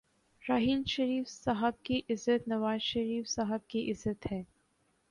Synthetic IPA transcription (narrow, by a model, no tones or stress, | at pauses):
ɾaːɦɪnʃɐɾiːfsɐɦəb̚kiʔɪzət̪nɐʋaːzʃɐɾiːfsaɦəb̚kiʔɪzːət̪hɛː